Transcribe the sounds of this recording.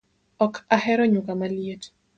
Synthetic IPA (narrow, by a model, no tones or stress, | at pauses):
ɔkʰahɛɾɔɲukamaljet